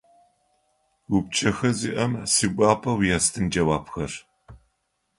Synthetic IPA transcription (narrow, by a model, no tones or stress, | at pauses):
wup̚t͡ʃʰɐxɐziʔɐmsɨɡʷaːpʰɐwjastʰɨnd͡ʒɐwaːpxɐr